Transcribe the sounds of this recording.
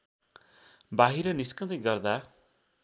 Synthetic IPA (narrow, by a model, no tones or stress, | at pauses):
baɦiɾʌniskʌt̪eɡʌrd̪a